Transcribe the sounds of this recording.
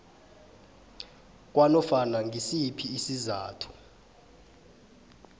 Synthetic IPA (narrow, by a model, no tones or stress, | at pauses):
k̬ʼwanɔfanaŋʱisipʰiːsizaːtʰu̥